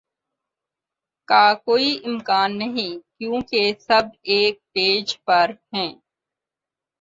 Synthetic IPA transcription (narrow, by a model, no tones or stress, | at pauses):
kaːkoːiʔɪmkaːnːɐɦĩkjõːkesɐbeːk̚ʈeːd͡ʒpɐɾɦɛ̃ː